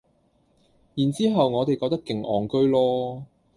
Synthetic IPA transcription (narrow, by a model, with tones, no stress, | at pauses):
jiː˨˩nt͡siː˥ɦɐ˨wŋɔː˨˧t̪e˨jkɔː˧k̚t̪ɐ˥kːɪ˨˩ŋʔɔː˨˩ŋkɵ˥ɥlɔː˥